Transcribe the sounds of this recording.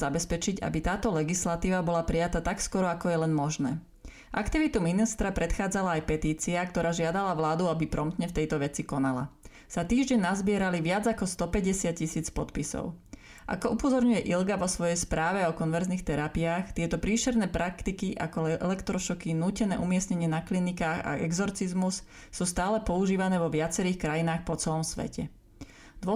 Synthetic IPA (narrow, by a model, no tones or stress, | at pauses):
abɛspɛt͡ʃiɟa̰bit̪aːt̪ɔlɛɡislat̪iːʋabɔlapɾijat̪at̪akskɔɾɔakɔjɛlɛnmɔʒnɛ̰ː | ʔakt̪iʋit̪uminist̪ɾapɾɛt̪xaːd͡zalaajpɛt̪iːt͡siak̚t̪ɔɾaːʒɪad̪alaʋlaːd̪uabipɾɔmt̪ɲɛft̪ɛjt̪ɔʋɛt͡sikɔnala̰ | sat̪iːʒɟɛnnːazbɪɛɾaliʋɪad͡zakɔst̪ɔpɛɟɛsɪat̪̚cisiːt͡spɔt̪pisɔ̰ʊ | ʔa̰kɔʔupɔzɔɾɲujɛʔilɡaʋɔsʋɔjɛjspɾaːʋɛɔkɔnʋɛɾzniːxt̪ɛɾapiaːxt̪ɪɛt̪ɔpɾiːʃɛɾnɛːpɾʔakt̪ikiʔa̰kɔɛlɛkt̪ɾɔʃɔkinuːcɛnɛ̰ːʔumɪɛsɲɛɲɪɛnaklinikaːxa̰ʔɛ̰ɡzɔɾt͡sizmus | suːst̪aːlɛpɔuʒiːʋanɛːʋɔʋɪat͡sɛɾiːxkɾajinaːxpɔt͡sɛlɔmsʋɛ̰cɛ | d̪ʋɔ